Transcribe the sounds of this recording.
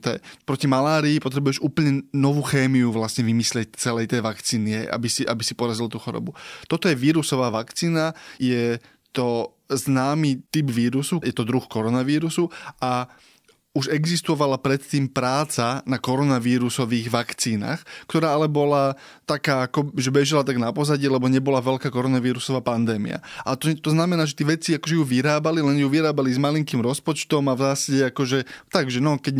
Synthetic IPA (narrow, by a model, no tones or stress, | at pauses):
t̪ɛ̰ɛpɾɔcimalaːɾiːpɔt̪ɾɛbujɛʒuːpl̩ɲɛnɔʋuːxɛːmiuʋlasɲɛʋimislɪɛc̚t͡sɛlɛjt̪ɛjʋakt͡siːniɦɛjʔa̰bisiʔa̰bisipɔɾazilt̪uːxɔɾɔ̰but̪ɔt̪ɔjɛʋiːɾusɔʋaːʋakt͡siːnajɛ | t̪ɔ | znaːmiːt̪ibʋiːɾusujɛt̪ɔd̪ɾuxkɔɾɔnaʋiːɾusuʔa | uʒɛɡzist̪ɔʋalapɾɛt̪ːiːmpɾaːt͡sanakɔɾɔnaʋiːɾusɔʋiːɣʋakt͡siːna̰ːxkt̪ɔɾaːalɛbɔla | t̪akaːakɔʒɛbɛʒilat̪aɡnapɔzaɟɪːlɛbɔɲɛbɔlaʋɛlkaːkɔɾɔnaʋiːɾusɔʋaːpand̪ɛːmḭa̰ʔat̪ɔt̪ɔznamɛnaːʒɛt̪iɛːʋɛt͡siakɔʒɛjuʋiɾaːbalilɛnjuʋiɾaːbalizmaliŋkiːmɾɔspɔt͡ʃt̪ɔmavzaːsaɟɛakɔʒɛt̪aɡʒɛnɔkɛɟ